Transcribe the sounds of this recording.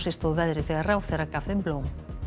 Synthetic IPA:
sest̪oβɛðɾeθeɣarawθeɾakafembloŋ

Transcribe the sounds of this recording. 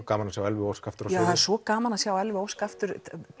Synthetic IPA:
kaːmanasjaːwɛlvʏowskaft̪ʏɾaaaðɛɾsɔkaːmanasjaːwɛlvʏowskaft̪ʏɾ

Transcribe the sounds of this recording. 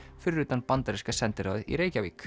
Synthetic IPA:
fʏɾːʏt̪anpant̪aɾiskasɛnt̪ɪɾa̰wðḭɾeːjcavḭːk

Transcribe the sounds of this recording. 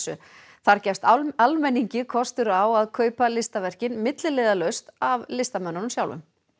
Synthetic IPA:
sʏ̰ | θaɾcɛjfst̪almɛnːiɲcɪkʰɔst̪ʏɾawaðkʰœːɥpalɪst̪avɛr̥cɪnmɪt̪lɪleːðalœɥst̪avlɪst̪amœnːanmsjawlvʏ̰m

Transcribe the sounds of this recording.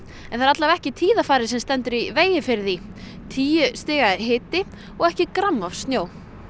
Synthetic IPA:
ɛnθaɾat̪lavɛhcɪt̪ʰiːðafaːɾɪsɛmst̪ɛnt̪ʏɾiveːjɪfɪɾði | t̪ʰiːjʏst̪ɪːɣaɦɪːt̪ɪ | ɔɣɛhcɪkɾamːafst̪njoːw

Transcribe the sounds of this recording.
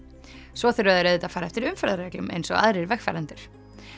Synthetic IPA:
svɔθɪɾaðɪɾeðɪt̪aðfaːɾaɛft̪ɪɾʏmfɛɾðaɾɛklʏmḛjnsɔ̰ɣa̰ðɾɪɾvɛxfa̰ɾant̪ɪɾ̥

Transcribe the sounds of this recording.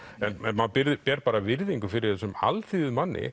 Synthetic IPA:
ɛnɛnmanpɪɾðɪpɛːɾpaːɾavɪɾðiŋkʏfɪɾɪɾ̥θɛsʏma̰lθiːðʏmanːʔɪ̰

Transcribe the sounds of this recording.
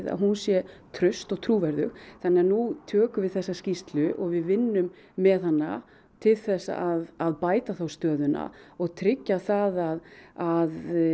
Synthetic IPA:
ða̰ðɦunsjɛt̪ʰɾʏst̪ɔɣt̪ʰɾuːvɛɾðʏ̰xθanːɪaɾnut̪ʰœːkʏvɪðθɛsːascist̪lʏʔɔɣvɪðvɪnːʏmː | ɛðhanːa̰ | t̪ʰɪlθɛsːa̰ʔaðaðpaːjt̪aθawst̪œːðʏna̰ɔɣt̪ʰɾɪcːaθaðaðað

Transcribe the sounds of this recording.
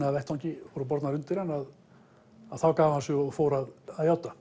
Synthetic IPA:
navɛht̪ʰːawɲcɪfɔwɾap̬ɔɾt̪naɾʏnt̪ɪɾanːað | aðθawkaːvahansʏɔɣfoːwɾaðaðjaːwt̪a

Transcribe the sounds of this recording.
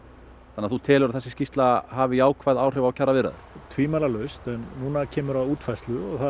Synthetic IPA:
θanːaθut̪ʰɛːlʏɾaðθɛsɪ̥scist̪laɦaːvɪjaːwkʰvajðaːwr̥ɛvawcʰaravɪɾa̰ðʏ̰ɾ̥t̪ʰviːmaːlalœɥst̪ɛnːuːnacʰɛːmʏɾaðuːt̪fajst̪lʏɔɣθa

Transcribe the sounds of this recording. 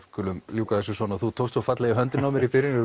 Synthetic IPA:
kʏlʏmljuːkaθɛsʏsvɔnaθut̪ʰowst̪sɔfat̪lɛɣɪɦœnt̪ɪnnawmɪɾipɪɾɪnʏ

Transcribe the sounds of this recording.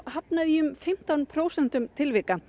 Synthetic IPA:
ɦapnaðiʏmfɪm̥t̪awnpʰɾoːwsɛn̥t̪ʏmt̪ʰɪlvɪka

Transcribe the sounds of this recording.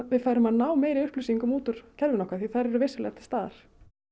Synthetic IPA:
vɪðfajɾʏmhaðnaːwmeːjɾɪʏhplʏsiŋkʏmuːt̪ʏɾ̥cʰɛlvɪnɔhkaθiθaɾɛɾʏvɪsʏlɛ̰at̪ɪ̥st̪aːða̰ɾ̥

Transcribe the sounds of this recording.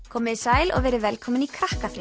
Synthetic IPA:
kʰɔːmɪðisaːjlɔ̰ɣvɛːɾɪvɛlkʰɔmɪnikʰɾahkafɾɪ

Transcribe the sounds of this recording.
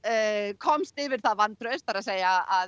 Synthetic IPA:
kʰɔmst̪ɪvɪɾ̥θaðvant̪ɾœst̪faɾaðseːjaað

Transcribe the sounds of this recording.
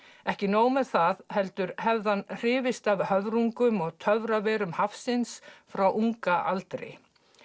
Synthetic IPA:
ɛhcɪnoːwmɛðθaðhɛlt̪ʏɾhɛvðanr̥ɪːvɪst̪avhœvɾuŋkʏmɔɣt̪ʰœvɾavɛːɾʏmhafsɪnsfɾawʔuŋkaʔa̰lt̪ɾɪ̰

